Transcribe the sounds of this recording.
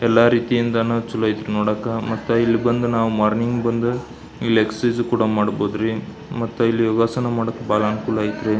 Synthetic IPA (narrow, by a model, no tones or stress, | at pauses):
ɛlːaːɾiːt̪ijind̪ɐnɐt͡ʃulɐjt̪ɾunoːɽaːkːɐmɐt̪ːuilːibɐnd̪unaːʋumaːɾniŋɡbɐnd̪u | ileksɐd͡ʒkuːɽɐmaːɽboːd̪ɾi | mɐt̪ːuilːijoːɡaːsɐnɐmaːɽokːebaːlɐːnukuːlaːjit̪ɾe